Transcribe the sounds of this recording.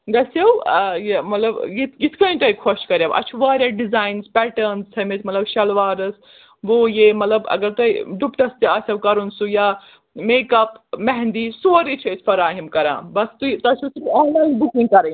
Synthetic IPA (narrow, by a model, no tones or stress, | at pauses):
ɡɐsɐwjemɐt̪lɐbjit̪it̪ʰkɐ̃ĩnʈ̪ɐjkʰoʃkɐɾjaːbɐ̰t͡ʃʰuʋaːɾjaɖizaːjnspɛːʈɐɾnst͡sʰɐmet̪mɐt̪lɐbʃɐlʋaːɾɐs | ʋojemɐt̪lɐbɐ̰ɡɐɾt̪ɐjɖupʈɐst̪iɐsʲɐwkɐɾunsujaː | meːkɐpmɛɦɛ̃nd̪isoːɾit͡ʃʰoisʰfɐɾaːɦimkɐɾã̰ːbɐst̪ut̪ɐsɐsuɔːnlaːinbukĩŋɡkɐɾɐ̃